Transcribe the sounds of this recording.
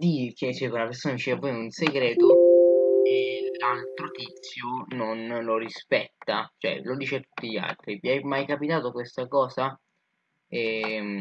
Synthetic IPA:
d̪iːket͡ʃɛkaunapeɾrsoːnad̪it͡ʃeːvapɔjunseɡɾɛːt̪o | elalt̪ɾot̪it̪sːjononloɾispɛt̪ːat͡ʃoɛ̰lod̪iːt͡ʃeat̪ːu̥t̪ːiʎia̰lt̪ɾipiajmajkapit̪aːt̪okwest̪akɔːza | ɛ

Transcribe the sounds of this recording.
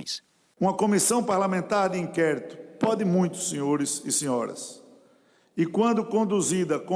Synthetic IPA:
j̃s | ũmɐkõmisɐ̃w̃paɾlamẽnt̪aɾd̪ɪĩkɛɾit̪ʊ̥pɔd̪ɪmũj̃t̪ʊ̥sẽɲoɾɪsɪseɲɔɾɐ̰s | ɪkwɐ̃nd̪ʊkõnd̪uzid̪ɐkõ

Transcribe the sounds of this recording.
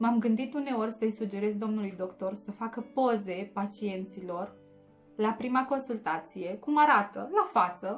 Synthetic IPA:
mamɡɨnd̪it̪une̞o̞rʲsəjsud͡ʒe̞ɾe̞zd̪o̞mnulujd̪o̞kt̪o̞rsəfakəpo̞ze̞pat͡ʃie̞nt̪silo̞r | lapɾimako̞nsult̪at̪sije̞kumaɾat̪əlafat̪sə

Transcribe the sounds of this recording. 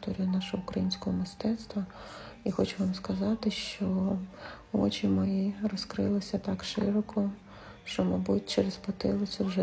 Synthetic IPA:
t̪ɔɾʲijʊnɑʃɔɦɔʊkɾɐjinʲsʲkɔɦɔmɪst̪ɛt̪st̪ʋɐixɔt͡ʃʊʋɑmskɐzɑt̪ɪʃt͡ʃɔ | ɔ̰t͡ʃimɔjirɔskɾɪlˠɪsʲɐt̪ɑkʃɪ̰ɾɔkʰɔ | ʃt͡ʃɔmɐbutʲt͡ʃeɾespɔt̪ɪlˠɪt͡sʲɐwʒɛ

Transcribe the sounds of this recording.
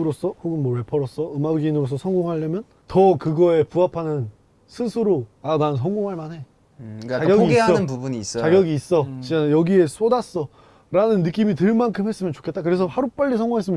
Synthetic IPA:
ɾos͈ʌhoɡɯnmwʌɾepʰʌɾʌs͈ʌɯmaɡinɯɾosʰʌsʰʌŋɡoŋɦaɭːʌmjʌn | tʌkɯɡʌe̞puɦapʰanɯn | sʰɯsʰɯɾoanaɯnsʰʌŋɡoŋɦaɭmanɦe̞ | aɡɡjʌɡiːeaʌɯnpubuniːs͈ʌt͡ɕaɡjʌɡiːs͈ʌt͡ɕiajʌɡie̞s͈odas͈ʌ | ɾanɯnːɯk͈imitɯɭmankʰɯmɦe̞s͈ɯmjʌnt͡ɕo̥kʰet̚t͈akɯɾe̞sʰʌhaɾup͈aʎːisʰʌŋɡoŋɦes͈ɯmjʌ

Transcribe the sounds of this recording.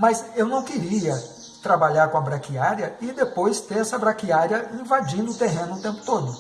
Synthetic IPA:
mɐsewnɐ̃w̃kɪɾiɐ | t̪ɾabaʎaɾkõɐbɾakiaɾjɐɪd̪epojst̪eɾɛsɐbɾakiaɾjɐĩvad͡ʒĩnd̪ʊt̪eɦẽnʊʊt̪ẽpʊ̥t̪od̪ʊ

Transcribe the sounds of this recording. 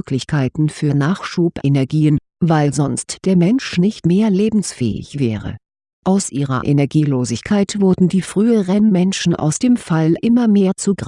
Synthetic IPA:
kʰlɪçkʰaɪtn̩fyːɐnaːχʃuːpʔenɛɐɡiːən | vaɪlzɔnstd̥eːɐmɛnʃnɪçtmeːɐleːbm̩sfɛ̰ːɪ̰çv̥ɛ̰ːʁə̰ | ʔaʊsʔiːʁɐ̰ʔenɛɐɡiːloːzɪçkʰaɪtv̥ʊɐdn̩diːfʁ̥yːəʁɛnmɛnʃn̩ʔa̰ʊsd̥eːmfalʔɪmɐmeːɐt͡suɡʁ

